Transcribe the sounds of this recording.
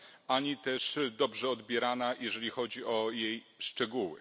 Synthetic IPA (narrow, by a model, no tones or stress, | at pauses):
ʔaɲit̪ɛʂd̪ɔbʐɛɔd̪bʲjɛɾanajʔɛʐɛlʲixɔd͡ʑiʔɔjej | ʂt͡ʂɛɡuwɘ̰